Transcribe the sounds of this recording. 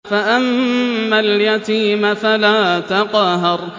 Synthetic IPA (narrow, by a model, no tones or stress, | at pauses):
faʔamːaljat̪iːmfalaːt̪ɑqɑɦɑɾˤ